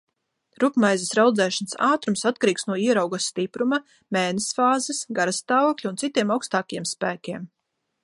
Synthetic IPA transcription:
ɾupmajzisɾawd̪zɛːʃansaːt̪ɾumsat̪̚kaɾiːksnuɔiɛɾawɡasːt̪ipɾuma | mɛːnɛsfaːzɛsɡaɾast̪aːvɔklʲuuntsit̪iɛmawkst̪aːkajeɛmspæːkʲiɛm

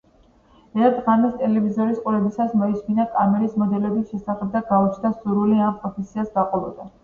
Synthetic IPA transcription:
ɛɾt̪ʰʼʁanist̪ʼɛlɛvizɔɾisqʼuɾɛbisasmɔisminakʼamɛɾismɔd̪ɛlɛbisʃɛsaχɛb̚d̪aɡaut͡ʃʰnasuɾuliampʼɾɔpʰɛsiasɡ̪aqʼɔbɔd̪a

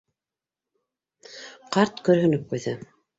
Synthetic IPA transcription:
qɑɾt̪kɵ̆ɾɦɵ̆nɵp̚qujðɤ

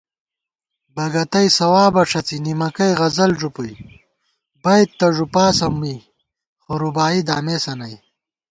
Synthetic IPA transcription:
bɐɡɐt̪ɐjsɐwaːbɐʂɐt͡sinimɐkɐjʁɐzɐlʐupuj | bɐjt̪̚t̪ːɐʐupaːsɐmːiː | χoɾubaːid̪aːmeːsɐnɐj

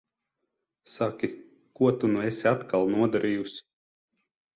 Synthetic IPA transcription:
sakʲi | kuɔt̪unuɛsʲat̪kalˠnuɔd̪aɾʔiːjusʲi̥

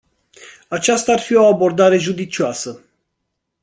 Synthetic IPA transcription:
at͡ʃast̪aːrfio̞abo̞rd̪aɾe̞ʒud̪it͡ʃioasə

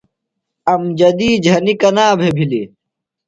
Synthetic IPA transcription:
ɐmd͡ʑɐd̪iːd͡ʑʱɐnikɐnaːbʱebʱili

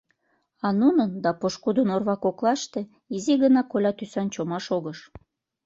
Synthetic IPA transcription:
ɑnunənd̪ɑpoʃkud̪ənorβɑkoklɑʃt̪e̽ | iziɣənɑkolʲɑt̪ysɑnt͡ɕomɑʃoɣəʃ

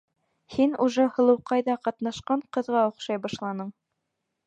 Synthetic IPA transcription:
hinuʒɤhɤ̆lˠɤ̆wqɑjðɑqɑt̪nɑʃqɑɴqɤ̆ðʁɑŏχʃɑjbɑʃlˠɑnɤɴ

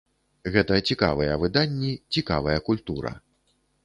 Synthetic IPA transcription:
ɣɛt̪ɐt͡sʲika̰vɐjɐvɨd̪anʲːit͡sʲika̰vɐjɐkulʲt̪uɾɐ̰

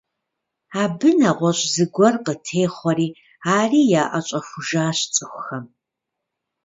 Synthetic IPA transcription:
aːbɨnaʁʷɔɕʼzɨɡʷɔrqətʰeːχʷɔriː | aːriːjaːʔɐɕʼɐxʷʊʒaːɕt͡sʼɨxʷxɐm

